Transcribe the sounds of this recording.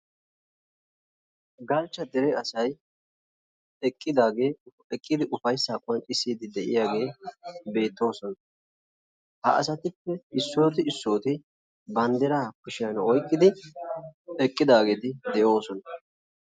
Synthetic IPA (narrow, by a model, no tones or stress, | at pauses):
ɡɐlt͡ʃːɐd̪ɛɾɛɐsɐj | ɛkʼːɪd̪aːɡe̞ː | ɛkʼːɪd̪ɪʔʊfɐjsaːkʼʊɐnt͡ʃʼɪsːiːd̪ɪd̪ɛʔɪ̰jaːɡe̞ːbe̞ːt̪ːo̞ːsɔnɐ | hɐ̰ʔɐ̰sɐt̪ɪpːɛɪsːo̞ːt̪ɪɪsːo̞ːt̪ɪ | bɐnd̪ɛɾaːkʊʃɪjɐnɔjkʼːɪd̪ɪ | ɛkʼːɪd̪aːɡe̞ːt̪ɪd̪ɛjo̞ːsɔnɐ